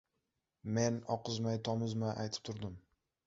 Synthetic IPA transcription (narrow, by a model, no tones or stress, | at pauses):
menɒqɨzmajt̪ʰɒmʊzmaʔajt̪ʰɪ̥p̚t̪ʰʊɾd̪ɪm